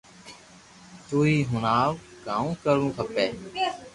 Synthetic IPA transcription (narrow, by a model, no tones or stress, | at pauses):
t̪uːiːɦʊnaːʋɡãːũːkəɾũːkʰəpeː